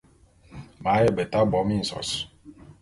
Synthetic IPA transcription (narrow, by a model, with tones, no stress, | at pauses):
ma˨˦je˦˨be˨ta˦bɔ˨˦mi˦n̩˨sɔ̰˨s